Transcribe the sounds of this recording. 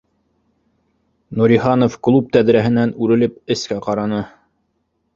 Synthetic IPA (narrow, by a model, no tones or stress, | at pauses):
nuɾiχɑnofklˠup̚t̪æðɾæɦɘ̆nænʉɾɘ̆lɘpɘ̆skæqɑɾɑnɤ